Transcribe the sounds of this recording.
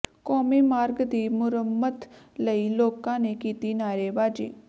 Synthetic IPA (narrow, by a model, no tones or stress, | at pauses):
kɔːmiːmaːɾɡd̪iːmʊɾəmːət̪ləiloːkãːnekiːt̪inaːɾeːbaːd͡ʒḭː